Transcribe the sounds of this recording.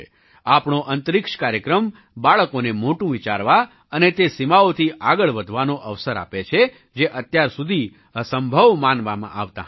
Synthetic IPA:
apɳoʔənt̪əɾɪkʃkaɾjəkɾəm | baɭkonemoʈũʋit͡ʃa̰ɾʋa | ənet̪esimaot̪ʰiʔaɡəɭʋəd̪ʱʋanoʔəʋsəɾa̰pet͡ʃʰe | d͡ʒeʔət̪jaɾsud̪ʱi | asəmbʱəʋmanʋamã̰ʔaʋt̪a̰

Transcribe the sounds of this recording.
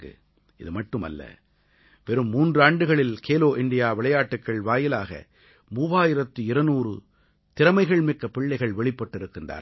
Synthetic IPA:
ɯ̰ | ɪðɯmɐʈːɯmɐ̰lːɐ̰ | ʋɛɾɯmːuːndrɯaːɳɖɯɣɐɭɪlkeːloːʔɪɳɖɪjaːʋɪɭɐjaːʈːɯkːɐɭʋaːjɪlaːɣɐ̰ | muːʋaːjɪɾɐt̪ːɯɪɾɐnuːrɯ | t̪ɪɾɐmɐɪɣɐɭmɪkːɐpːɪɭːɐɪɣɐɭʋɛɭɪpːɐʈːɪɾɯkːɯnd̪a̰ːɾ

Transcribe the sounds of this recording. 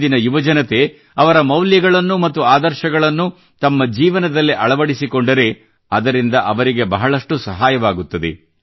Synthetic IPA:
d̪inɐjuʋɐd͡ʒɐnɐt̪e̞ | ɐʋɐɾɐmɐwljɐɡɐɭɐnːumɐt̪ːuaːd̪ɐɾʃɐɡɐɭɐnːu | t̪ɐmːɐd͡ʒiːʋɐnɐd̪ɐlːiʔɐɭɐʋɐɽisikoɳɖɐɾe̞ | ɐd̪ɐɾind̪ɐʔɐʋɐɾiɡe̞bɐɦɐɭɐʂʈusɐɦaːjɐʋaːɡut̪ːɐd̪e̞̰

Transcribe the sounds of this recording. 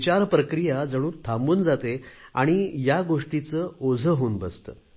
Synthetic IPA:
t͡ɕaɾpɾəkɾijad͡zəɽ̃uːnt̪ʰambuːnd͡zat̪ea̰ɽ̃ijaɡoʂʈit͡səːod͡zʱəɦoːnbəst̪ə̰

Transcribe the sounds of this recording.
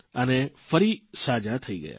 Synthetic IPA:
ənefəɾisaːd͡ʒat̪ʰɐiɡɐ̰ja̰ː

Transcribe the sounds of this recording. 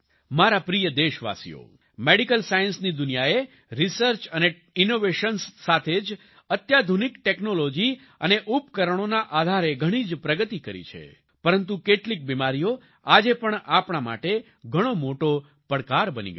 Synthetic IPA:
maɾapɾijəd̪eʃʋa̰sḭjo̰ | meɽikəlsajənsnid̪ʊnijae | ɾisəɾt͡ʃəne | inoʋeʃənsːat̪ʰed͡ʒ | ət̪jad̪ʱunikʈeknolod͡ʒi | əneʔupkəɾəɳ̃onaʔad̪ʱaɾeɡʱəɽ̃id͡ʒpɾəɡət̪ikəɾḭt͡ʃʰḛ | pəɾənt̪ukeʈlik̚bimaɾijo | ad͡ʒepəɳapɳ̃ama̰ʈe | ɡʱəɽ̃omoʈo | pəɽkaɾbənḭɡ

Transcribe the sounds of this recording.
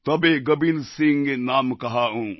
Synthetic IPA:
t̪ɐbeɡɐbilsɪ̃ŋɡenaːmkɐɦaːɦũː

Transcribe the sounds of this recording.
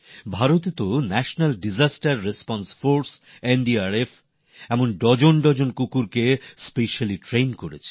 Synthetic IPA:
bʱaɾot̪et̪onɛʃonalɖid͡ʑasʈaɾːespɔnsfoɾs | enɖiaɾef | ɛmonɖɔd͡ʑonɖɔd͡ʑonkukuɾkespeʃaliʈɾejnkoɾḛt͡ɕʰe̥

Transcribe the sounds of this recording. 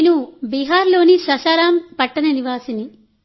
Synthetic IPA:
nubiːɦaːɾlo̞ːnisɐʃaːɾaːmpɐʈːɐnɐniʋaːsini

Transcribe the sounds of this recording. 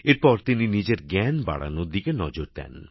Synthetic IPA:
eɾpɔɾt̪ininid͡ʑeɾɡɛnba̰ɽa̰nod̪ikenɔd͡ʑoɾd̪ɛ̰n

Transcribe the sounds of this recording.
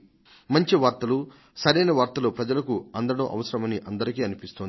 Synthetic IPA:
mɐɲt͡ʃiʋaːɾt̪ɐlu | sɐɾɐjnɐʋaːɾt̪ɐloːpɾɐd͡ʒɐlɐkuɐnd̪ɐɽo̰ːʔɐ̰ʋɐsɐɾɐmɐniʔɐnd̪ɐɾikiːɐnipist̪ond̪

